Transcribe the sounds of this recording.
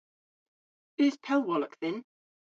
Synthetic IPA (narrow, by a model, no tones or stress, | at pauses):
ɪz̥pʰɛlˠwɒləkθɪ̃n